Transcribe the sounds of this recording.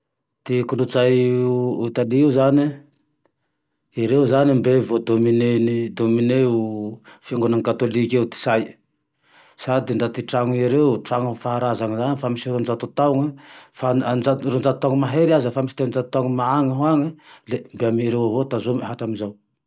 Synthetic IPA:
t̪ikulut͡sajut̪aliiuzani | iɾewzanimbevod̪ominenid̪omineufiaŋɡunaŋkat̪olikʲewt̪i̥saj | sad̪iɳɖ͡ʐat̪iʈ͡ʂaŋuiɾewʈ͡ʂaŋufaɦaɾazaŋizanifamisiɾond͡ʒat̪ut̪awŋəfaand͡ʒarond͡ʒat̪ut̪aŋmaɦeɾazəfamisi̥t̪enind͡zat̪u̥t̪aŋmaaŋəɦwaŋilembeamiɾewavot̪azomiɦaʈ͡ʂaminzaw

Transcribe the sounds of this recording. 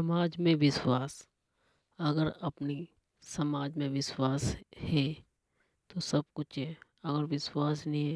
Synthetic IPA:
sɐmaːd͡ʒmẽʋɪswaːs | ɐɡəɾɐpni | sɐmaːd͡ʒmẽʋɪswaːshɛ | t̪osɐb̚kʊt͡ʃʰɦɛ | ɐɡəɾʋɪswaːsnəɦĩɦɛ

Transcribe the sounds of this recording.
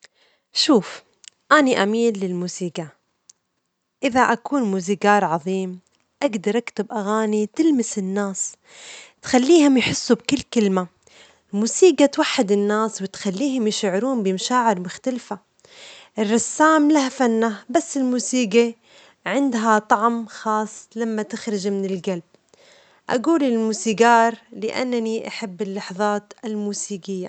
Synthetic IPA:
ʃuːf | ʔaniʔamiːlːɪlmuːsiːɡa | ʔɪðaʔakuːnmuːziɡaːɾˤʕɑðˤiːm | ʔaɡd̪ɑɾˤʔakt̪ɪbʔaɣaːnit̪ɪlmɪsɪnːaːs | t̪xalːiːhʊmjħɪsːubkɪlːkɪlma | ɪlmuːsiːɡat̪waħːɪd̪ɪnːaːswɪt̪xalːiːɦʊmjɪʃaʕɾuːnbɪmaʃaːʕɪɾmʊxt̪alfa | ʔɪrˤːɑsːaːmlahfanːabasːɪlmuːsiːɡa | ʕɪnd̪ɦat̪ˤɑʕmxɑːsˤlamːat̪ɪxɾɪd͡ʒmɪnɪlɡalb̚ | ʔa̰ɡuːlɪlmuːsiːɡɑːɾˤlɪʔa̰nːaniʔaħabːɪlːɑħðˤɑːt̪ɪlmuːsiːɡɪjːa

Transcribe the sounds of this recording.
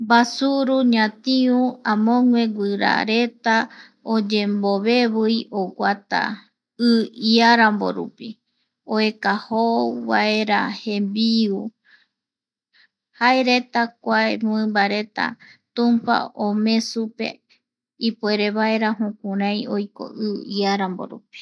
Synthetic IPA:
basuɾuɲãt̪iũãmõŋwe̞ɡʷɨɾa̰ɾe̞t̪a | od͡ʒe̞mboβe̞βɨjoɡʷat̪a̰ | ɨiaɾambo̰ɾṵpi | oekahoβaeɾahe̞mbiu | haeɾe̞t̪ak̚ʷaemuɨ̃mbaɾe̞t̪a̰t̪ũmpa̰omẽ̞supe̞̰ | ipueɾeβae̞ɾaɦũkuɾãj̃ojko̞̰ɨiaɾambo̰ɾṵpi̥

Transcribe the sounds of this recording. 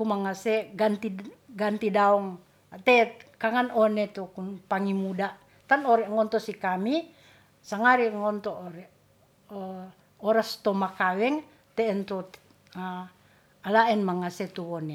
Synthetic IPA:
kumaŋasɛɡant̪iɡant̪idaɔŋ | at̪ɛkaŋanɔnet̪ukunpaŋimuda | t̪anoɾɛŋɔnt̪ɔsikami | saŋaɾiŋɔnt̪ɔoɾɛ | ɔɾast̪ɔmakawɛŋ | t̪ɛːnt̪o | a | alaɛnmaŋasɛt̪uone

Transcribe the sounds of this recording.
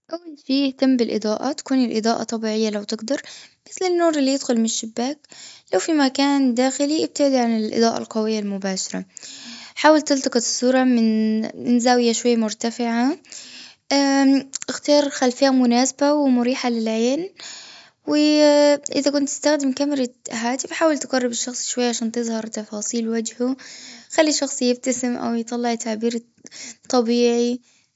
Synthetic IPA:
ʔawːalʃiːjɪht̪amːbɪlʔɨ̰d̪ˤɑːʔa̰t̪ḁkuːnɪlʔɨ̰d̪ˤɑːʔɑ̰t̪ˤɑbiːʕɪjːalawt̪ɪɡd̪ɑɾˤmɪθlɪnːuːɾˤɪlːijɪd̪xʊlmɪnʃːɪbːaːklawfimakaːnd̪aːxɪliʔɪb̚t̪ɪʕd̪iʕanɪlʔɨ̰d̪ˤɑːʔɑ̰lqɑwɪjːalmʊbaːʃɑɾˤɑ | ħaːwalt̪ɪlt̪ˤɑqɑt̪ˤsˤːuːɾˤɑmɪnɪnzaːwɪjaʃwajːamʊɾt̪afɪʕa | aʔɪxt̪ɑːɾˤxalfɪhamʊnaːsabawɪmʊɾiːħalɪlʕeːn | wɪʔɪðakʊnt̪ːɪ̥st̪axd̪ɪmkamɪɾˤɑɦaːt̪ɪfħaːwalt̪qɑrˤːɪbɪʃːɑxsˤʃwajːaʕaʃaːnt̪ɪðˤhɑɾˤt̪ɑfɑːsˤiːlwad͡ʒhuxalːiʃɑxsˤjɪb̚t̪asɪmʔa̰wjt̪ˤɑlːɪʕt̪ʰaʕbiːɾ | t̪ˤːɑbiːʕi

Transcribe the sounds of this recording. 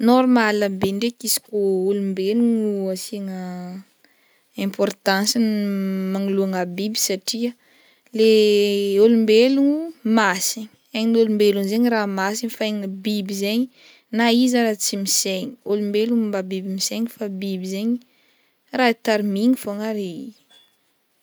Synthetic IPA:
nɔɾmalambeɳɖ͡ʐekisi̥koulumbeluŋuasiŋə | ɛ̃mpɔrt̪ãnsinmaŋuluaŋabibi̥saʈ͡ʂiə | leolumbeluŋumasiɲiaɲnolumbelunzeɲiɾamasinifaeŋəbibizeɲi | naizaɾat͡simiseɲiolumbeluŋmbabibimiseɲifabibizeɲi | rait̪aɾimiŋifoŋaɾi

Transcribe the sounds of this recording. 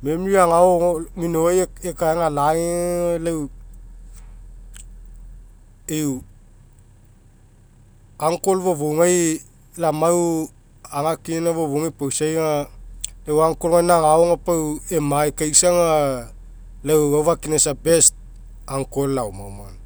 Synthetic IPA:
me̞mɾiaŋaominojeekaeŋalaelaw | ew | aŋkolβoβoŋaj | lamaw | aŋakinaβoβoŋajpawsajŋalewaŋkolŋajnaŋaoŋapawemajkajsaŋa | lawawβakinesabe̞st̚ | aŋko̞lːawma̰wma̰n

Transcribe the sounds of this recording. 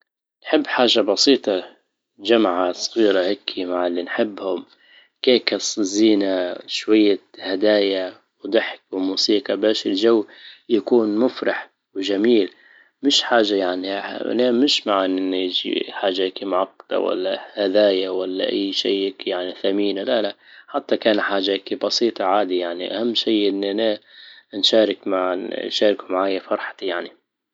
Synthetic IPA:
nħɪbːħaːʒabɑsiːt̪ˤɑ | d͡ʒamʕasˤɣiːɾahakʰːimaʕalːinħɪbːhʊm | keːkɪsˤziːnaʃwajːahad̪aːja | wd̪ˤɨħk̚wmuːsiːqɑbaːʃɪld͡ʒawːjakuːnmʊfɾˤɑħ | wd͡ʒamiːl | mɪʃħaːʒajaʕnḭnamɪʃmaʕanʔɪnːjd͡ʒḭħaːʒaʔakimʊʕɑqːɑ̥d̪a̰wa̰lːa̰had̪aːjawalːa̰ʔa̰jːʃiːʔkjaʕniθamiːnlalaʔħat̪ːakaːnħaːʒakibɑsiːt̪ˤɑʕaːd̪ijaʕniʔahamːʃiːʔɪnːʔananʃaːɾɪkmaʃaːɾɪkumaʕaːjafɑɾˤħt̪jaʕni

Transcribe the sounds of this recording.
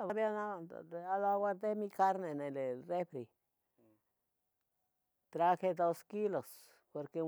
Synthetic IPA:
βabjanaalawad̪emikaɾnenelerefɾi | t̪ɾaxed̪oskilos | poɾke

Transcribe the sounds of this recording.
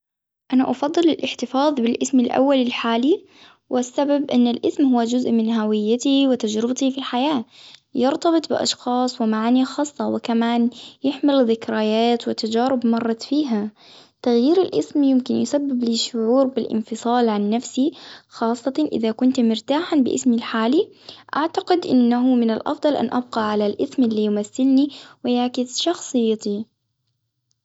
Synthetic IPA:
ʔana̰ʔɑfɑd̪ˤːɨlɪlʔɪħt̪ɪfɑːðˤbɪlʔɪsmɪlʔa̰wːalɪlħaːli | wɪsːababʔɪnːalʔɪsmhʊwːad͡ʒʊzʔmɪnɦawɪjːat̪iwɪt̪ad͡ʒɾɪbt̪ifilħajaːjɪɾt̪ɑbɨt̪ˤbɪ̰ʔɑ̰ʃxɑːsˤwɪmaʕaːnixɑːsˤːɑwɪkamaːnjɪħmɪlðɪkɾajaːt̪wɪt̪ad͡ʒaːɾɪbmɑrˤːɑt̪fiːɦa | t̪aɣjiːɾɪlʔɪsmjɪmkɪnjɪsabːɪbliʃːʊʕuːɾbɪlʔɪ̰nfɨsˤɑːlʕanːafsixɑːsˤːɑt̪ʔɪ̰ðakʊnt̪mɪɾt̪aːħanbɪʔɪ̰smilħaːli | ʔaʕt̪aqɪd̪ʔɪ̰nːaɦʊmɪnalʔɑ̰fd̪ˤɑlʔa̰nʔa̰b̚qɑʕalalʔɪsmʔɪlːiːjʊmaθːɪlniwɪjaʕkɪsʃɑxsˤɨjːɑt̪i

